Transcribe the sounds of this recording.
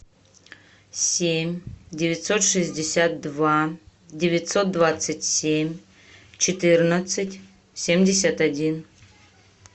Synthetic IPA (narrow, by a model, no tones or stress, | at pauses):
sʲemʲdʲɪvʲɪt̪sot̪ʂɨzʲdʲɪsʲat̪̚d̪va | dʲevʲɪt̪sot̪̚d̪vat̪sɨtʲsʲemʲ | t͡ɕʰɪt̪ɨrnət̪sɨtʲ | sʲemʲdʲɪsʲat̪adʲin